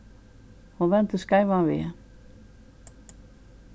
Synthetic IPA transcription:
huvɛnt̪ʏskaːjvavɪ̰jɛ

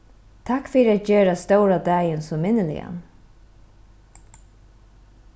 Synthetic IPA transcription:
t̪ʰakfiːɾat̪̚d͡ʒøːɾast̪owɾad̪æːjənsɔmɪnəlɪ̰ja̰n

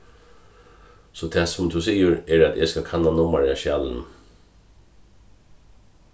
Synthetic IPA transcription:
sɔt̪ʰɛsʊmt̪ʰusiːəɹɛɹæt̪ʰeskakʰanːanʊmaɹaʃaːlən

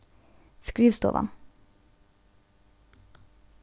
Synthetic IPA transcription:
skɾiːʋst̪o̰ːʋɑ̰n

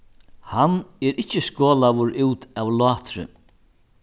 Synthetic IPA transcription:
hanɛɾɪt͡ʃːɪskoːlaʋʊɾʔuːt̪awlɑːt̪ɾʏ̰

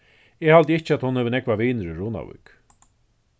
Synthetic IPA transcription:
ɛhalt̪jɪht͡ʃɪat̪hʊnhɛvənɛkvaviːnəɾʏɹuːna̰wḭk

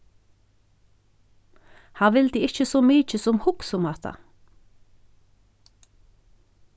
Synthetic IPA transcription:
hæːʋɪld̪iːɪçəsoːmyːc͡çəsɔmhʊksʊmɑt̪ʰɑ̰

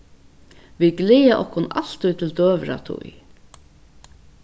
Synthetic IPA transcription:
ʋiɡlɪːaʔɔhkʊnaɬt̪ʊjt̪ʰɪld̪øːʋɾa̰t̪ʰṵj

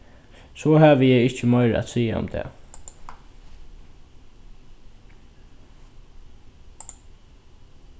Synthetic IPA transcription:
sɔːɦaːʋəjɛjɪht͡ʃəmœʏɾ̰a̰t̪siːaʊ̰mt̪ʰɛ̰ː

